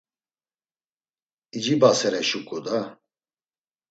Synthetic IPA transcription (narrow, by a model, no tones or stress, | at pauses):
id͡ʒibasɛɾɛʃukʼud̪a